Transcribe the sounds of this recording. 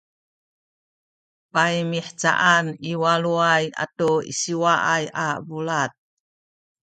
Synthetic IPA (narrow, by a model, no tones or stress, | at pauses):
pajmiħt͡sa̰ʔaniwaluaja̰toḭsiwaʔajabulat̪̚